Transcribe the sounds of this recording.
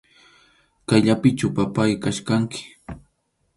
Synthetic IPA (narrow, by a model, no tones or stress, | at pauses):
kajʎapɪt͡ʃapapajkaʃkaŋkɪ̥